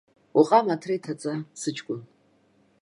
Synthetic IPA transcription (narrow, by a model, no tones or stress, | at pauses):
uqʼamatʰrejtʰat͡sʼasɨt͡ʃʰʼkʷʼʊn